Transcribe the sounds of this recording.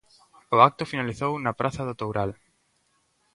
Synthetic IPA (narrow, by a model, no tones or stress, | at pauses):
ʊak̚t̪ʊfinaliθownɐpɾʔaθɐðot̪owɾal